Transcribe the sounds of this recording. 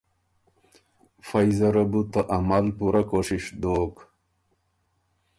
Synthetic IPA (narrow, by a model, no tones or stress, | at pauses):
fajzɐɾabut̪aʔamalpuɾakoʂiʂd̪oːk